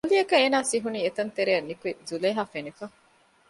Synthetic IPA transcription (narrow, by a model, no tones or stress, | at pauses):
uliɐkɐeːnaːsiɦuniːet̪ɐnt̪eɾeɐnːikuezuleːɦaːfenifɐ